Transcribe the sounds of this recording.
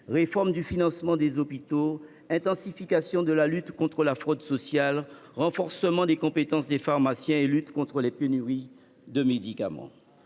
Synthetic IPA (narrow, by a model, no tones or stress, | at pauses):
ʁefɔʁmd̪yfinɑ̃smɑ̃d̪ezopit̪o | ɛ̃t̪ɑ̃sifikasjɔ̃d̪əlalyt̪kɔ̃t̪χəlafχɔd̪sɔsjal | ʁɑ̃fɔʁsəmɑ̃d̪ekɔ̃pet̪ɑ̃sd̪efaʁmasjɛ̃elyt̪kɔ̃t̪χəlɛpenyʁi | d̪əmed̪ikamɑ̰̃